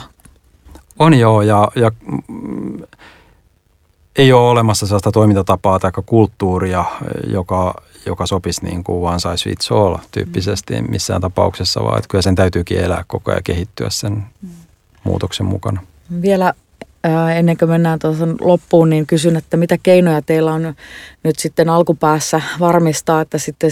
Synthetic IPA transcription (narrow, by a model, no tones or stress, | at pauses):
onjoːjɑjɑ | eioːolemɑsːɑselːɑst̪ɑt̪oimint̪ɑt̪ɑpɑːt̪ɑikːɑkult̪ːuːriɑjokɑ | jo̰kɑsopisnḭːŋkuʋʋɑːnsɑisʋḭːt̪solt̪y̰ːpːisest̪ḭmmʔḭsːæ̰ːnt̪ɑpɑuksesːɑ̰ʋɑ̰ːḛt̪kylhæsent̪æyt̪yːkḭːelæ̰ːkkoko̰jɑ̰kehit̪ːyæ̰ssen | mṵːt̪oksemmṵkɑnɑ | ʋielæː | enːeŋkømenːæːnt̪uɑsɑnlopːuːnniŋkysynet̪ːæmit̪ækeinojɑt̪eilːæonnyt̪sit̪ːenɑlkupæːsːæʋɑrmist̪ɑːet̪ːæsit̪ːe